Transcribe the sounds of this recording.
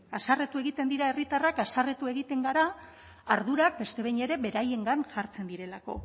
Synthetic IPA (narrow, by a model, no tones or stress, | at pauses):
asare̞t̪ue̞ɣit̪e̞nd̪iɾae̞rit̪arakasare̞t̪ue̞ɣ̞it̪e̞ŋɡaɾa | aɾðuɾak̚be̞st̪e̞βejɲe̞ɾe̞βe̞ɾaje̞ŋɡanʝaɾt͡se̞nd̪iɾe̞lako̞̰